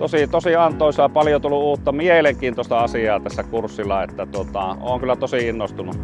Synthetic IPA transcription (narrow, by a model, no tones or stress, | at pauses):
t̪osit̪osiɑnt̪ˑoˑisɑpɑljot̪ulːˑuuːt̪ːɑmieleŋkiːnt̪ost̪ɑɑsiɑːt̪æsːækursːilːˑɑet̪ːæt̪uot̪ɑo̰ːŋkylːˑæt̪osiinːost̪unu